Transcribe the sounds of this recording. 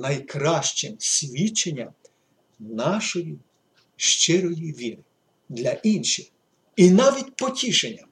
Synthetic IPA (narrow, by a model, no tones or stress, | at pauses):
nɐjkɾɑʃt͡ʃɛmsʲʋʲit͡ʃːenʲːɐ | nɑʃɔji | ʃt͡ʃɪɾɔjiʋʲiɾɪ | d̪lʲɐʔinʃɪx | inɑʋʲitʲpɔtʲiʃenʲːɐ